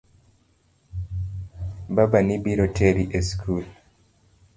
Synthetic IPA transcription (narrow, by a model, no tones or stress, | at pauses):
babanibiɾotʰeɾiʔeskʰul